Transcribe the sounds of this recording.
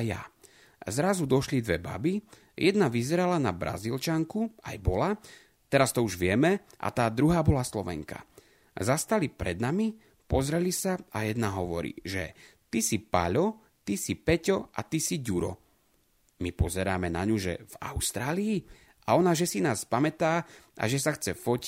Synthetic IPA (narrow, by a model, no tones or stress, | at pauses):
ja̰ | zɾazud̪ɔʃlid̪ʋɛba̰bi | jʔɛd̪naʋizɛɾalanabɾa̰zilt͡ʃaŋkua̰jbɔla | t̪ɛɾast̪ɔuʒʋɪɛmɛ | ʔa̰t̪aːd̪ɾuɦaːbɔlaslɔʋɛ̰ŋka̰ | zast̪alipɾɛd̪nami | pɔzɾɛlisaa̰jɛd̪naɦɔʋɔɾḭːʒɛ̰ | t̪isipa̰ʎɔ | t̪isipɛcɔa̰t̪isiɟuɾɔ̰ | mipɔzɛɾaːmɛna̰ɲuʒɛ̰va̰ʊst̪ɾaːliː | ʔaɔnaʒɛsinaːspamɛt̪aːʔa̰ʒɛsaxt͡sɛfɔc